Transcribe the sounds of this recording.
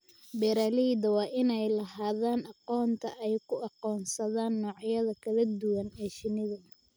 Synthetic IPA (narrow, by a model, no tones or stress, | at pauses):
bɛːɾaːlid̪ɐwɑːʔɪnɛjlɐhaːðaːnɑqɔːnt̪ʰɐʔɛjkʰʊɑqɔːnsɐðaːnːɔːʕjɐðɐkʰɐlɐd̪ʊwɐnɛːʃɪnɪðɐ